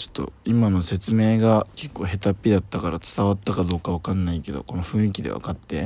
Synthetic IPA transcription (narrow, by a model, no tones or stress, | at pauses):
t͡ɕo̥t̪ːo̞̰imano̞se̞t͡sɨme̞ːɡake̞kːo̞ːɦe̞t̪apʲːid̪at̪ːakaɾat͡sɨ̥t̪aβat̪ːakad̪o̞ːkaβakãnːaike̞d̪o̞̰ko̞no̞ɸɯ̟̃ɰ̃ik̬ʲid̪e̞̰βa̰kat̪ːe̞